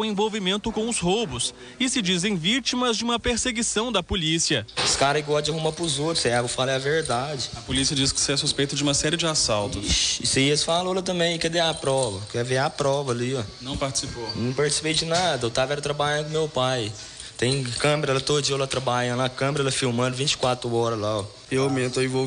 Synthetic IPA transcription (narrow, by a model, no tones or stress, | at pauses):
wẽvowvimẽnt̪ʊkõw̃ʊshobʊs | ɪsɪd͡ʒizẽj̃vit͡ʃimɐzd͡ʒɪũmɐpeɾseɡisɐ̃w̃d̪ɐpolisiɐɪskaɾɐiɡwawd͡ʒɪɐhumapɾʊzot̪ɾʊsɛɡʊfalɛɐveɾd̪ad͡ʒɪɐpolisiɐd͡ʒiskɪ̥sɪɛsuspejt̪ɐd͡ʒɪũmɐsɛɾɪd͡ʒɪasawt̪ʊsɪseiɐsfaloɛlɐt̪ɐ̃mbẽj̃kɛd̪eapɾɔvɐkɛveapɾɔvɐliɔnɐ̃w̃paɾt͡ʃɪ̥siponɐ̃w̃paɾt͡ʃɪ̥si̥pejd͡ʒɪnad̪ɐewt̪avɛɾɐt̪ɾɐbaʎɐ̃d̪ʊkõmewpaj | t̪ẽj̃kɐ̃meɾɐɛlɐt̪od͡ʒiɐwlat̪ɾabaʎɐ̃nd̪akɐ̃meɾɐɛlɐfiwmɐ̃d̪ʊvĩt͡ʃɪ̥kwat̪ɾʊɔɾɐzlaɔ | ewamẽt̪ɐivo